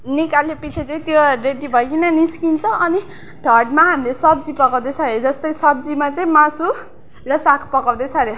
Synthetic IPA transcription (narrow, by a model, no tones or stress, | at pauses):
nikalepit͡sʰet͡sʌĩt̪joreɖibʱʌjkinʌniskint͡sʰʌʔʌni | ɖʱʌrɖ̚maɦamilesʌb̚d͡zipʌkaw̃d̪ʌsʰʌɾed͡zʌst̪ʌjsʌb̚d͡zimat͡sʌĩmãsu | rʌsakʰpʌkawd̪ʌsʰʌɾe